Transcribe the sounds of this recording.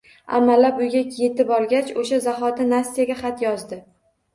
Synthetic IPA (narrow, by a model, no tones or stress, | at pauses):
a̰mːalːapʊjɡʲaje̞t̪ɪbɒlˠɡʲat͡ʃoʃazaχɒt̪anast̪ijaɡʲaχat̪jɒzd̪ɪ